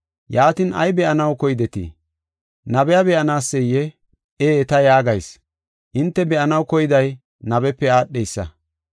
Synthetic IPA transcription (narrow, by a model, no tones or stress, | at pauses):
jaːt̪inɐ̰jbɛʔɐnɐwkɔjd̪ɛt̪ḭː | nɐbɛjɐbɛʔɐnaːsːɛjːɛ | eːt̪ɐjaːɡɐjs | ʔɪnt̪ːɛbɛʔɐnɐwkɔjɪd̪ɐj | nɐbɛpːɛaːɗːɛjsːɐ̰